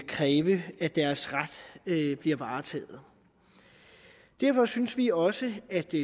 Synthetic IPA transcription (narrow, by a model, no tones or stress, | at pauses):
kʰʁɛːʋəæd̥æɐsʁad̥b̥liɐʋɑ̈ːt͡sʰɛ̰ːð̩ˠ | d̥æɐfɒ̽synsʋiɒ̽səæd̥